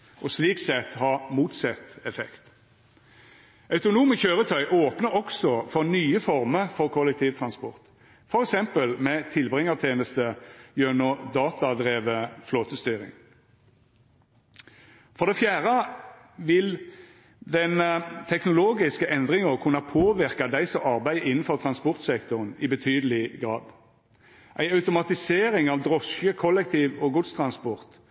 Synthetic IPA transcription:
ʔɔsliːksɛt̪ːhɑːmuːt̪sɛt̪ːɛfɛ̰kt̪ | ʔɑʉt̪ʊnuːməçøːʁət̪ʰœʏʔoːpnəɾɔksɔfɔʁnyːəfɔʁməʁfɔʁkʰɔlːɛk̚t̪ʰiːʋt̪ʰʁɑnspɔʁt̪ | fɔɾɛksɛmpəlmɛt̪ʰɪlbʁɪŋːət̪ʰeːnəst̪əjønɔd̪ɑːt̪ʰɑd̪ʁeːʋəfloːt̪əst̪yːʁɪ̰ŋ | fɔʁd̪ɛfjæːʁə | ʋɪl | d̪ɛnt̪ʰɛknʊloːɡɪskəʔɛnd̪ʁɪŋəʁkʰʉnːɑpʰoːʋɪʁkɑd̪æɪsɔɑʁbæɪɪnn̩fɔʁt̪ʰʁɑnspɔʁt̪sɛkt̪ʊʁənɪbət̪ʰyːd̪əlɪɡʁɑːd̪ | ʔæɪɑʉt̪ʊmɑt̪ɪseːɾɪŋɑʋd̪ʁɔsjəkʰɔlːɛk̚t̪ʰiːʋɔɡʊd̪st̪ʰʁɑnspɔʁt̪

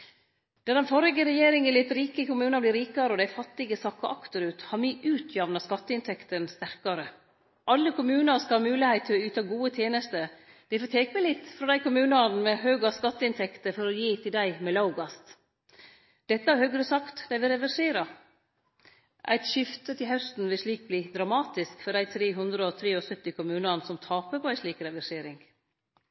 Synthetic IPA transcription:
d̪̥æd̪ɛnfɔɾɪɡəɾɛjeːɾɪŋɛlɪt̪ɾiːkəkʊmʉːnɑblɪɾiːkɑɾəɔd̪æɪfɑt̪ːɪɡəsɑkːɑʔɑkt̪əɾʉːt̪hɑɾmiʔʉːt̪ʰjɑʋnɑskɑt̪ːəɪnt̪ʰɛkt̪ənst̪æɾkɑɾə | ʔɑlːəkʊmʉːnɑɾskɑhɑːmʉːlɪhæɪt̪ʰːɪlɔʉːt̪ɑɡuːət̪ʰjeːnəst̪ə | d̪̥ɛɪfoːt̪ʰeːkəmɛlɪt̪ːfɾɑd̪æɪkʊmʉːnɑnmɛɦøːɡɑskɑt̪ːəɪnt̪ʰɛkt̪əfɔɾɔjiːt̪ʰɪld̪æɪmɛlɑʊɡɑst̪ | d̪̥ɛt̪ːəæɾhøːɡɾəsɑkt̪d̪æɪʋɪlɾɛʋæʂeːɾɑ | ʔæ̰ɪt̪ʃʏft̪ət̪ʰɪlhœst̪n̩ʋɪlʂɭiːk̚bliːd̪ɾɑmɑːt̪ɪskfɔɖ̪æɪt̪ʰɾeːɦʉnd̪ɾəɔt̪ʰɾeːɔsœt̪ːɪkʰʊmʉːnɑnsɔmt̪ʰɑːpəpʰɔæɪʂɭiːkɾɛʋæʂeːɾɪŋɡ

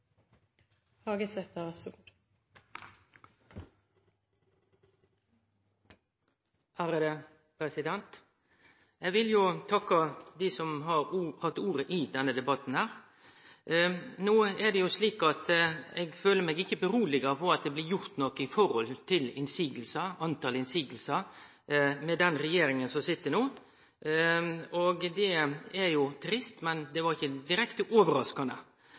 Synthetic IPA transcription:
hɑːɡəsɛt̪əʋæsʊ | hæɾəd̪ɛ | pʰɾɛsɪd̪ɛnt̪ | ɛɡʋɪljʊt̪ʰɑkːɑd̪iːsɔmɦɑɾhɑt̪ːuːɾəʔɪd̪ɛnːəd̪ɛbɑt̪n̩hæːɾ | noːɛdɛjʊsliːkɑt̪ɛɡføːləɾmɛɡɪçːəbəɾuːlɪɡəfɔɾɑt̪̚d̪ɛblɪɾjʊɾt̪nɔkəɪfɔɾhɔlt̪ʰɪlɪnsiːɡəlsɑɑnt̪ɑːlɪnsiːɡəl̩sɑ | mɛd̪ɛnɾɛjeːɾɪŋənsɔmsɪt̪ːəɳoː | ɔɡd̪ɛɛɾjʊt̪ʰɾɪst̪mɛnd̪ɛʋɑɾɪçːəd̪ɪɾɛkt̪əʔoːʋəɾɑskɑnə

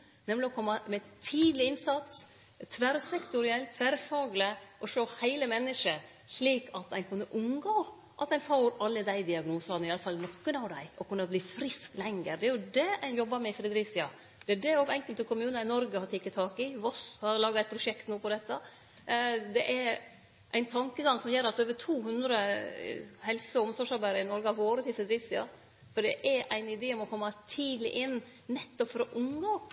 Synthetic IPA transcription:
nɛmlɪɔkʰɔmːɑmɛt̪ʰiːd̪lɪɪnsɑt̪s | t̪ʰʋæɾsɛkt̪ʊɾɪɛlt̪ʰʋæɾfɑːɡləʔɔʂoːhæɪləmɛnːəʂə | ʂliːkɑt̪æɪnkʰʉnːəʔʊmɡoː | ʔɑt̪æɪnfoːɾɑlːəd̪æɪd̪ɪɑɡnuːsɑnəɪjɑləfɑlnɔkːənɑʋd̪æɪʔɔkʉnːɑbliːfɾɪsklɛŋːəɾd̪ɛæɾjʊd̪ɛæɪnjɔbːɑmɛfɾɛd̪ɾɪsɪɑ | d̪̥ɛæɖɛɾoːɡɛŋkəlt̪əkʰʊmʉːnɑɪnɔɾɡəhɑɾt̪iːkːət̪ʰɑːkɪʋɔshɑɾlɑːɡɑæt̪̚pʰɾʊʂɛkt̪nuːpʰɔd̪ɛt̪ːɑ | d̪ɛʔɛɾ | ʔæɪnt̪ʰɑŋkəɡɑŋsɔmjeːɾɑt̪øːʋət̪ʰuːɦʉnd̪ɾə | hɛlsəɔʊmsɔʂɑɾbæɪɾəɪnɔɾɡəɑʋoːɾət̪ʰɪlfɾɛd̪ɾɪsɪɑ | fɔɖɛʔɛɾæɪnɪd̪eːɔmɔkʰɔmːɑt̪ʰiːd̪lɪ̰ʔɪnː | nɛt̪ːɔpfɾɑʔʊŋːɑ

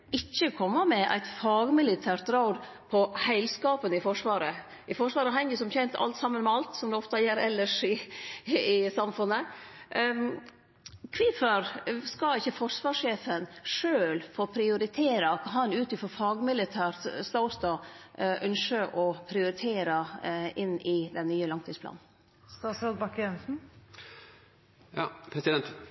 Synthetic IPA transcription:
ɪçːəkʰɔmːəmɛʔæ̰ɪt̪fɑːɡmɪlɪt̪ʰæːɾʈ̪ɾɑʊd̪ | pʰɔhæɪlskɑːpənɪfɔʂʋɑːɾə | ʔɪfɔʂʋɑːɾəɦɛŋəsɔmçɛnt̪ʰɑ̰lt̪sɑmːənmɛɑlt̪sɔmd̪ɛɔft̪ɑjɛɾɛlːəʂɪ | ɪsɑmfʉnːə | kʰʋɪfəɾskɑɪçːəfɔʂʋɑːʂeːfənʂøːlfoːpʰɾɪʊɾɪt̪ʰeːɾɑkʰɑɦɑnʉːt̪ɪfɔfɑːɡmɪlɪt̪ʰæːɾst̪ɑʊst̪ɑːʔœnʂəʔɔpʰɾɪʊɾɪt̪ʰeːɾɑɪnːɪd̪ɛnːyːəlɑŋt̪ʰiːspʰlɑ̰ːnn̩ | st̪ɑsɑlbɑkɛnsn̩ | jɑpʰɾɛsɪd̪ɛnt̪

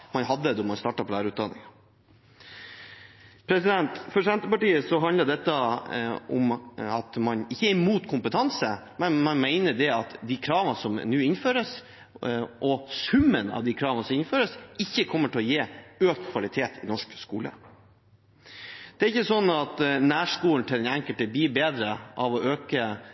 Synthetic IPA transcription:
mɑnɦɑd̪ːəd̪ɔmɑnst̪ɑːʈɑpʰɔlæːɾəʉːt̪d̪ɑnːɪ̰ŋɑ | pʰɾɛsɪd̪ɛnt̪fɔɾsɛnt̪əpɑʈiːəsɔɦɑnd̪ləɖ̪ɛt̪ːə | ɔ̰mɑt̪mɑnɪçːəæɾmuːt̪kʰʊmpət̪ʰɑnsə | mɛnmɑnmæɪnəɖɛɑt̪d̪ikʰɾɑːʋənsɔm̰nʉːɪnføːɾəs | ʔɔsʉmːənɑ̰ʋd̪iːkʰɾɑːʋənəsɔmɪnføːɾəsɪçːəkʰɔmːəʈʰɪlɔjeːøːkt̪kʰʋɑlɪt̪ʰeːt̪ʰɪnɔʂkskṵːlə̰ | d̪̥ɛæɾɪçːəsɔnːɑt̪næːʂkuːln̩t̪ʰɪlɛnæŋkəlt̪əbiːbeːd̪ɾəʔɑʋɔʔøːkə

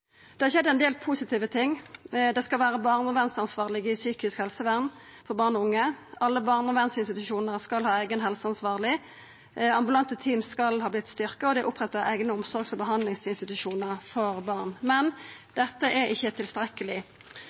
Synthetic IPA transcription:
d̪̥ɛhɑʁɕɛd̪ɛnd̪eːlpʰusɪt̪ʰiːʋət̪ʰɪŋːd̪ɛskɑlʋæːɾəbɑʁnɔʋɛnsɑnsʋɑːʁlɪɡɪsyːkɪskhɛlsəʋæʁn | fɔʁbɑːʁnɔʊŋːəɑlːəbɑʁnɔʋɛnsɪnst̪ɪt̪ʉʃuːnəʁskɑlhɑːæɪɡənɦɛlsəɑnsʋɑːʁlɪ | ɑmbʉlɑnt̪ət̪ʰiːmskɑlhɑːblɪt̪ːst̪ʏʁkəɔd̪ɛæʔʊpʁɛt̪ːɑæɪɡnəʊmsɔɾɡsɔbəɦɑnd̪lɪŋsɪnst̪ɪt̪ʉʃuːnəʁfɔʁbɑːʁnmɛnd̪̥ɛt̪ːəʔɛɾɪçːət̪ʰɪlst̪ɾɛkəlɪ

